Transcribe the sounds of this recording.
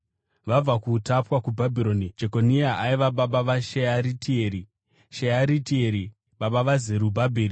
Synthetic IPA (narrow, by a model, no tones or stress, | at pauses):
ʋab͡vakutapwakubʱabʱiɾo̞nid͡ʒe̞ko̞niaaiʋaɓaɓaʋaʃeaɾitieɾi | ʃeaɾitieɾi | ɓaɓaʋazeɾubʱabʱeːɾi